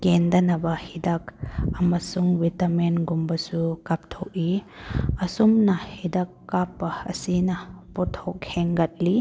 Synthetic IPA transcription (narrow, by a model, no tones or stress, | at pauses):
kendɐnɐbɐhidak̚ɐmɐsuŋbitɐmenɡumbɐsukap̚tʰok̚i | ɐsumnɐhidakːapːɐɐ̰sinɐpɔtʰok̚heŋɡɐt̚li